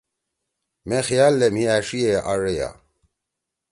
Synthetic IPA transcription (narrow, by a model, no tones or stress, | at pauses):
mexijaːlːem̤iaʂieʔaɻeja̰